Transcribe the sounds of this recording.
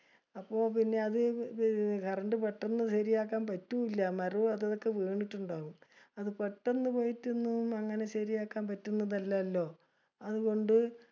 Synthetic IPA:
ɐpːo̞ːpinːe̞ɐðɨ | ɡʱɐrɐɳɖɨpeʈːɐnːɨɕɐɾijaːkːaːnpɐtːuilːɐmɐruɐðɐðo̞kːe̞ʋeːɳitːuɳɖaːɣum | ɐðɨpeʈːenːɨpoːjitːunːuɐŋːɐne̞ɕɐɾijaːkːaːnpɐtːunːɐnɐlːɐːlːo̞ː | ɐðuɣo̞ɳɖɨ

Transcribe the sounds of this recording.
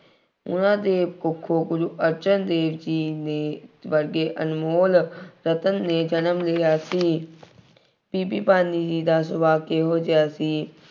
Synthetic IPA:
ʊ̰nãːd̪eːbkʊkʰːoːɡʊɾuːʔəɾt͡ʃənd̪eːʋd͡ʒiːneːʋəɾɡeːʔə̰nmoːlɾət̪ənːeːd͡ʒənəmlɪjaːsiː | piːpiːpaːniːd͡ʒiːd̪aːsʊbaːkeɦoːd͡ʒɪjaːsiː

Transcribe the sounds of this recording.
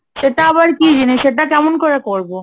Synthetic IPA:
ʃeʈaaβaɾkid͡ʑineʃeʈ̬akɛmonkoɾakoɾbo

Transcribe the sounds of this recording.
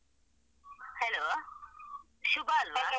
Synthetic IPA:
helo | ʃubalmaa

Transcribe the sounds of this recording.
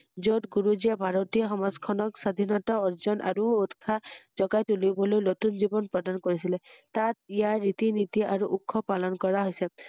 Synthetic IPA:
zotɡuɹuzijabʱaɹɔtijɔxɔmazkʰɔnɔksad̪ʱinɔtaɔɹzɔnʔa̰ɹuut̪kʰazɔɡajtulibɔlojnotunzibɔnpɹɔdankoɹisilɛtatijaːit̪init̪iʔaɹuʔukʰːɔpalɔnkɔɹaɦojsɛ

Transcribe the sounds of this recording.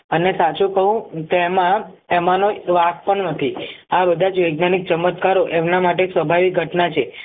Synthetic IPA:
ənesat͡ʃũkəɦũkeemã | emanoʋak̚pəɳnət̪ʰiabəd̪ʱad͡ʒʋəjɡnanik̚t͡ʃəmət̪kaɾoʔemnamaʈ̬eːksʋəbʱaʋik̚ɡʱəʈnat͡ʃʰe

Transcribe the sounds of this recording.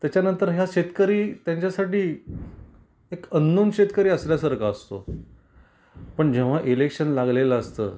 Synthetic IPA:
t̪jat͡ɕjanənt̪əɾɦjaɕet̪kəɾiːt̪jãɲt͡ɕjasaʈiː | ekənːunɕet̪kəɾiːəsljasəɾkaəst̪o̰ | pəɳd͡ʑeʋ̤aʔilekɕənlaɡlelaəst̪ə̰ː

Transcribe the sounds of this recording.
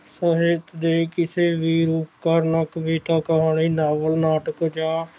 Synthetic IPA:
səɦeːt̪d̪eːkɪseːʋiːɾuːpkəɾnəkʋiːt̪ãːkəɦaːɳiːnaːʋəlnaːʈəkd͡ʒãː

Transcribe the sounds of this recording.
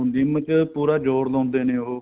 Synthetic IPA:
d̪imət͡ʃpuːɾaːd͡ʒoːɾlɔ̃ːnd̪eːnẽːɦoː

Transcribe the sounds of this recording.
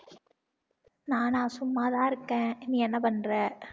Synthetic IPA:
naːnãːsʊmːaːðãːɪɾɯkːẽːniːɛnːɐpɐnrɐ

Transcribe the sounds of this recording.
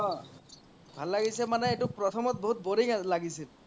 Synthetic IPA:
ɔ | bʱalːaɡisɛmanɛetupɹɔt̪ʰɔmɔt̚boɦut̚boɾikalaɡisil

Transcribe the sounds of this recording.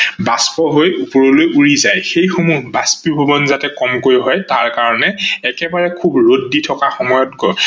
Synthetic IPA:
baspɔɦojupɔɹɔlojuɹizajxejxomubaspibʱɔbɔnzatɛkɔmkojɦɔjtaɹkaɹɔnɛːkɛbaɹɛkʰubɹodːitʰɔkaxɔmɔjɔt̚kɔ

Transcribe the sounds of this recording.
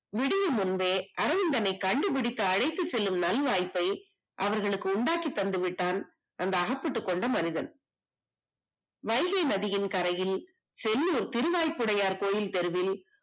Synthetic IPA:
ʋɪɽɪjɯmʊnbeːʔɐɾɐʋɪnd̪ɐnɐɪkːɐɳɖɯp̬ɪɽɪt̪ːɐːɽɐɪt̪ːɯt͡ʃːɛlːɯmnɐlʋaːjpːɐɪ | ʔɐʋɐɾɣɐɭɯkːɯʊɳɖaːkit̪ːɐnd̪ɯʋɪʈːaːn | ʔɐnd̪ɐːɣɐpːɪʈːɯkːɔɳɖɐmɐnɪðɐn | ʋɐɪɣɐɪnɐðɪjɪnkɐɾɐjɪl | sɛlːuːɾt̪ɪɾɯʋaːjpːɯɽɐjaːɾkoːjɪlt̪ɛɾɯʋɪl

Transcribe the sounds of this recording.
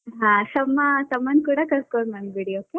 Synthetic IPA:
ɦãsɐmːasɐmːɐnkuɽakɐɾkoɾmɐmbiɽioke

